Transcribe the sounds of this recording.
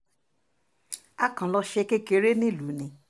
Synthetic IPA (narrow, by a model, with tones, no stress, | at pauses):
a˦kã˨lɔ˧ʃe˧ke˦ke˨˧ɾe˦nĩ˦˨lu˨˦nĩ˨˦